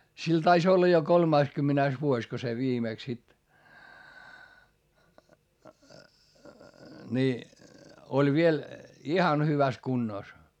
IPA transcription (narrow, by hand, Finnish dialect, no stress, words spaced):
sil tɑis olːɑ jo kolmɑiskymːænæis ʋuosʲ ko se ʋiːmeˑks sit ni olʲ ʋiel ihɑn hyʋæs kunːoˑs